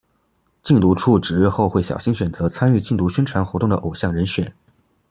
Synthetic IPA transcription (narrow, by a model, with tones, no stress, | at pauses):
t͡ɕi˥˧ŋt̪u˧˥ʈ͡ʂʰu˥˩ʈ͡ʂɻ̩˨˧˥ɻ̩˥˧xo˥˧ʊxwe˥˩ɪɕjɑ̰˨˩ʊɕi˥ŋɕɥɛ˨˩nt͡sɤ˧˥t͡sʰa˥ny˥˧t͡ɕi˥˩ŋt̪u˧˥ɕɥɛ˥nʈ͡ʂʰwa˧˥nxwɔ˧˥t̪ʊ˥˩ŋd̪ə̰˩ʔo˨˩ʊɕjɑ˥˩ŋɻə˧˥nɕɥɛ˨˩˦n